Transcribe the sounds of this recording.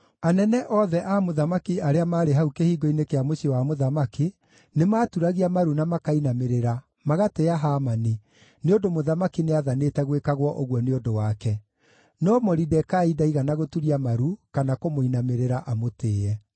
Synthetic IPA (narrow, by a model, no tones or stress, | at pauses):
anɛnɛʔɔðɛʔamoðamakiaɾeamaːɾeɦaukehiːɡoinekeamoɕewamoðamaki | nemaːtuɾaɣiamaɾunamakainameɾeɾa | maɣateaɦaːmani | neondomoðamakineaðanetɛɣwekaɣwɔʔoɣwɔneondowakɛ | nɔmɔɾidɛkaidaiɣanaɣotuɾiamaɾukanakomoinameɾeɾaʔamoteːɛ